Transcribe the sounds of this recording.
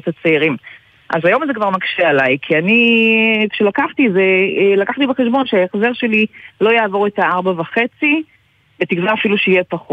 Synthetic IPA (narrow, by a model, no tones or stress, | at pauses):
tat͡seiʁim | ʔa̰zajo̞mazekvaʁmakʃealajkʰianikʃelakaχtizelakaχt̪ibeχeʃbo̞nʃeaeχze̞ʁʃe̞lilo̞jaːvo̞ʁetaaʁbavaχe̞t͡si | betikzaːfiluʃeijepaχo